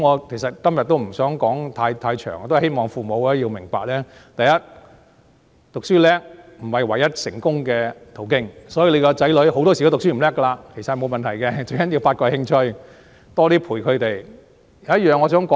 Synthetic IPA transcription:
ŋɔː˨˧kʰe˨˩jsɐ˨t̚kɐ˥mjɐ˨t̪̚o˥wm̩˨˩sœː˨˥ŋkɔː˨˥ŋt̪ʰaː˧jt̪ʰaː˧jt͡ʃʰœ̰ː˨˩ŋɔ˨˧t̪o˥˨˩he˥jmɔː˨ŋfuː˨mo˨˧wɛː˥ji˧wmɪ˨˩ŋpa̰ː˨k̚lɛː˥t̪ɐ˨jɐ˥t̚ | t̪ʊ˨k̚syː˥lɛː˥k̚m̩˨˩hɐ˨˩jwɐ˨˩jːɐ˥t̚sɪ˨˩ŋkʊ˥ŋkɛː˧t̪ʰo˨˩wkɪ˥ŋsɔː˨˥jiː˨˧le˨˧kɔ˧t͡sɐ˨˥jlɵ˨˥ɥho˨˧wt̪ɔː˥si˨˩kːt̪ʊ˨ksyː˥m̩˨˩lɛː˥kːɐ˧laː˧kʰe˨˩jsɐ˨hjmo˨˧wmɐ˨nt̪ʰɐ˨˩jkɛ˧t͡ʃɵ˧jkɐ˥nji˧wfaː˧t̚kɔ˧jhɪ˥ŋt͡ʃʰɵ˧ɥ | t̪ɔː˥t̪iː˥pʰuː˨˩jkʰɵ˨˧t̪e˨j | jɐ˨˧wjɐ˥t̚jœː˨ŋːɔ˨˧s̬œː˨˥ŋkɔː˨˦

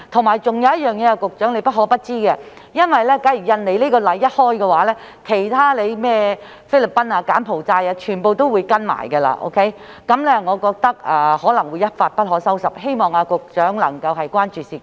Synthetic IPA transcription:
t̪ʰʊ˨˩ŋmaː˨˩jt͡sʊ˨ŋjɐ˨˧wjɐ˥t̚jœː˨ŋjɛː˨˧a˧kʊ˨k̚t͡ʃœː˨˥ŋle˨˧jpɐ˥t̚hɔː˨˥pɐ˥t̚t͡siː˥ɡɛ˧ | jɐ˥nwɐ˨jlɛː˥kɐ˨˥jyː˨˩jɐ˧nle˨˧jliː˥kɔː˧lɐ˨˧jːɐ˥t̚hɔː˥jkɡɛː˧waː˨˥lɛː˥ | kʰe˨˩jt̪ʰaː˥le˨˧jmɛː˥ | fe˥jlɪ˨pːɐ˥naː˧kaː˨˥npʰo˨wt͡saː˧jaː˧t͡ʃʰyː˨˩npo˨˧wt̪o˥wuː˨˧jkɐ˥nma̰ː˨˩jɡɛ˧la̰ː˧ʔo̰˥wkʰe˦˥j | kɐ˨˥mlɛː˥ŋɔː˨˧kɔː˧k̚t̪ɐ˥k̚aː˨hɔː˨˥lɐ˨˩ŋwuː˨˧jːɐ˥t̚faː˧t̚pɐ˥t̚ɦɔː˨˥sɐ˥wsɐ˨˩p̚ɦe˥jmɔː˨ŋaː˧kʊ˨k̚t͡ʃœː˨˥ŋlɐ̰˨˩ŋkɐ˧wɦɐ˨jkʷaː˥nt͡ʃyː˨siː˨˩

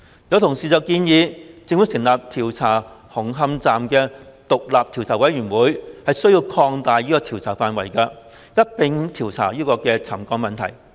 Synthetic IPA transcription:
jɐ˨˧wt̪ʰʊ˨˩ŋsiː˨˩t͡sɐ˨wkiː˧njiː˨˧t͡sɪ˧ŋwu˨˥sɪ˨˩ŋlaː˨p̚t̪ʰiː˨˩wt͡sʰaː˨˩hʊ˨˩ŋɦɐ˧mt͡saː˨mkɛː˧t̪ʊ˨k̚laː˨p̚t̪ʰi˨˩wt͡sʰaː˨˩wɐ˨˥jɥyː˨˩nwuː˨˥jhɐ˨jsɵ˥jiː˧wkʰɔː˧ŋt̪aː˨jiː˥kɔː˧t̪ʰiː˨˩wt͡sʰaː˨˩faː˨nwɐ˨˩jkɐː˧ | jɐ˥t̚pɪ˧˥ŋt̪ʰiː˨˩wt͡sʰa̰ː˨˩jiː˥kɔː˧kɛː˧t͡sʰɐ˨˩mkɔː˧ŋmɐ˨nt̪ʰɐ̰˨˩j

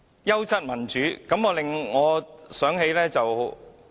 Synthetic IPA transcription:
jɐ˥wt͡sʰɐ˥t̚mɐ˨˩nt͡ʃyː˨˥kɐ˨˥mɔː˧lɪ˨ŋːɔː˨˧sœː˨˥ŋɦe˨˧jlɛː˥t͡sɐ˨w

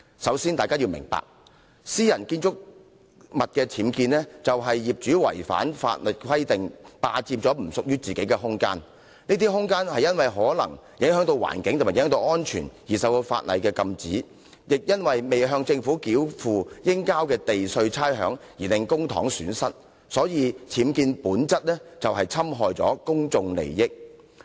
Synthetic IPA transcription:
sɐ˨˥wsi˥nt̪aː˨jkaː˥ji˧wmɪ̰˨˩ŋpa̰ː˨k̚ | siː˥jɐ˨˩nkiː˧nt͡ʃʊ˥k̚ | mɐ˨t̚kɛː˧tʰiː˨˥mkiː˧nlɛː˥t͡sɐ˨wɦɐ˨jːiː˨p̚t͡ʃyː˨˥wɐ̰˨˩jfa̰ː˨˥nfa̰ː˧t̚lɵ˨t̚kʰwɐ˥jt̪ɪ˨ŋpaː˧t͡siː˧mt͡sɔː˨˥m̩˨˩sʊ˨k̚jyː˥t͡siː˨ke˨˥jkɛ˧ɦʊ˥ŋka̰ː˥n | niː˥t̪iː˥ɦʊ˥ŋkaː˥nhɐ˨jɐ˥nwɐ˨jɦɔː˨˥lɐ̰˨˩ŋ | jɪ˨˥ŋɦœː˨˥ŋt̪o˧wa̰ː˨˩nkɪ˨˥ŋʰ˨˩aː˨j̰œː˨˥t̪o˧wʔɔː˥nt͡ʃʰy̰ː˨˩njiː˨˩sɐ˨˧wt̪o˧fa̰ː˧˨t̚lɐ̰˨˧jkɛː˧kɐ˧mt͡siː˨˥ | jɪ˨k̚jɐ˥nwɐ˨jme˨jɦœː˧ŋt͡sɪ˧ŋfuː˨˥kiː˨˥wfuː˨jɪ˥ŋkaː˥wkɛː˧t̪e˨jsɵ˧ɥt͡sʰaː˥jɦœ̰ː˨˥ŋjiː˨˩lɪ˨˧ŋkʊ˥ŋt̪ʰɔ̰ː˨˥ŋsyː˨˥nsɐ˥t̚ | sɔː˨˥jiː˨˧t͡sʰiː˨˥mkiː˧npuː˨˥nt͡sɐ˥t̚lɛ˥t͡sɐ˨wɦɐ˨jt͡sʰɐ˥mɦɔː˨jt͡sɔ̰ː˨˥kʊ˥ŋt͡sʊ˧ŋlḛ˨˩jjɪ˥k̚

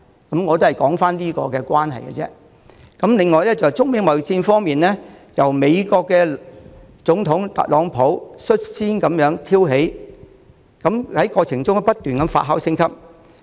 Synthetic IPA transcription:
kɐ˨˥mŋɔː˨˧t̪o˥hɐ˨jkɔː˨˥ŋfaː˥nliː˥kɔː˧kɛː˧kʷwaː˥nɦɐ̰˨jkɛ̰˧t͡sɛ̰ː˥ | kɐ˨˦˥mlɪ˨ŋːɔː˨˧jlɛː˥t͡sɐ˨t͡sʊ˥ŋ̚me˨˧˥ŋmɐ˨˩wt͡siː˧nfɔː˥ŋmiː˨nlɛː˥jɐ˨˩wme˨˧jkɔː˧kːɛː˧ | t͡sʊ˨˥ŋt̪ʰʊ˨˥ŋt̪ɐ̰˨t̚lɔː˨˧ŋpʰo˨˥wsɵ˥t̚siː˥nkɐ˨˥mjœː˨˥ŋt̪ʰiː˥wɦe˨˥j | kɐ˨˥mhɐ˨˥jkɔː˧t͡sʰɪ˨˩ŋt͡sʊ˥ŋ˥pɐ˥t̪yː˨nkɐ˨˧˥mfa̰˧t̚ɦa̰ː˨˥wsɪ˥ŋkʰɐ˥p̚

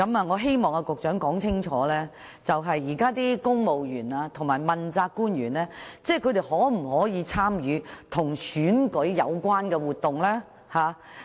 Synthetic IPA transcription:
kɐ˨˥maː˨ŋɔː˨˧ɦe˥jmɔː˨ŋɐ˧kʊ˨k̚t͡ʃœː˨˥ŋkɔː˨˥ŋt͡sʰɪ˥ŋt͡ʃʰɔː˨˥lɛː˥ | t͡sɐ˨wɦɐ˨jːiː˨˩kaː˥t̪iː˥kʊ˥ŋmo˨wjyː˨˩naː˧t̪ʰʊ˨˩ŋmaː˨˩jmɐ˨nt͡saː˧kːuː˥nɥyː˨˩nlɛː˥t͡sɛː˥˩kʰɵ˨˧ɥt̪e˨˩jhɔː˨˥m̩˨˩hɔː˨˥jiː˨˧t͡sʰaː˥mjyː˨˧t̪ʰʊ˨˩ŋsyː˨˥nkɵ˨˥ɥjɐ˨˧wkʷwaː˥nkɛː˧wuː˨t̪ʊ˨ŋlɛː˥ | haː˨˩

